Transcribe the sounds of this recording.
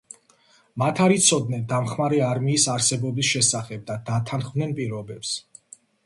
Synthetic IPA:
mat̪ʰaɾit̪sʰɔd̪̚nɛnd̪amχmaɾɛaɾmiːsaɾsɛbɔbisʃɛsaχɛb̚d̪ad̪at̪ʰanχvnɛnpʼiɾɔbɛps

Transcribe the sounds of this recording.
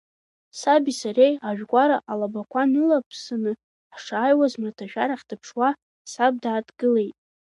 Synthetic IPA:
sabisarejaʒᶣɡʷʼaɾaʔalabakʷʰanɨlapʰsanɨ | ħʂaːjwazmartʰaʒᶣaɾaχʲtʰɨpʰʂwa | sab̚daːtʰɡɨle̞jtʼ

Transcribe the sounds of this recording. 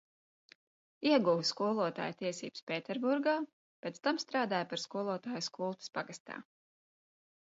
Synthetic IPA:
iɛɡuʋskuɔlˠuɔt̪a̰ːjt̪iɛsḭːbspʲeːt̪ɛɾbuɾɡaː | pʲet̪st̪amst̪ɾaːd̪aːjpaɾskuɔlˠuɔt̪aːjuskuɔlˠt̪i̥spaɡast̪a̰ː

